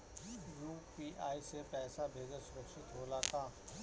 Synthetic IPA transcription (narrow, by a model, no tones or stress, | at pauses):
juːpiːʔaːisepɛːsabʱeːɡəɾsʊɾəkʃɪt̪ɦoːlakaː